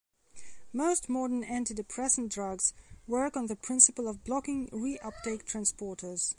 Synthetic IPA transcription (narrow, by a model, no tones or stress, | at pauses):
moʊstmɔdə̃næ̃ntidɨpʰɹ̥ɛsndɹʌɡz̥wɜ˞kn̩ðəpʰɹ̥ɪ̃nsəpəlˠʌvblɑkɪ̃ŋɹiʔʌp̚d̥eɪk̚tʰɹ̥æ̃nspɔɹɾə˞z̥